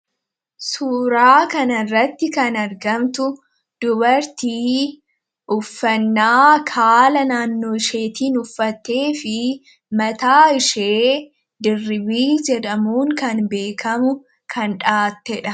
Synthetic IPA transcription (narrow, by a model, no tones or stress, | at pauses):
suːɾaːkɐnɐrːɐt̪ːɪkɐnɐɾɡɐmt̪ʊ | d̪̥ʊbɐɾt̪iː | ʔʊfːɐnːaːkʰaːlɐnaːnːoːɪʃeːt̪iːnʊfːɐt̪ːe̞ːfɪ | mɐt̪aːɪʃeː | d̪ɪrːɪbiːd͡ʒɛᶑɐmuːŋkɐnbe̞ːkʰɐmʊ | kʰɐnᶑaːt̪ːɛᶑɐ